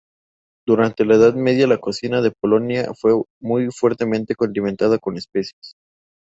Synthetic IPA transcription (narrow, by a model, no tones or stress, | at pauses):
d̪uɾant̪e̞laeðaðme̞ðjalako̞sinaðe̞po̞lo̞nja̰fwe̞mujfwe̞ɾt̪e̞mẽ̞nt̪e̞ko̞nd̪iment̪aðako̞nespe̞sjes